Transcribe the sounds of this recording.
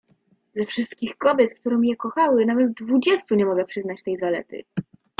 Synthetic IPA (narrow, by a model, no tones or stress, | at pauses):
zɛfʂɘst̪kʲixkɔbʲjɛt̪k̚t̪uɾɔmʲjɛkɔxawɘnavɛt̪d̪vud͡ʑɛst̪uɲɛmɔɡɛpʂɘznat͡ɕt̪ɛjzalɛ̰t̪ɘ̰